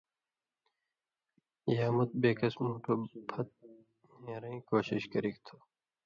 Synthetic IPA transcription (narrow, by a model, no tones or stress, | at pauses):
jaːmʊt̪̚beːkɐsmuːʈʰoːbʱʰɐt̪̚ | hẽːɾɐĩːkoːɕɪɕkɐɾikt̪ʰoː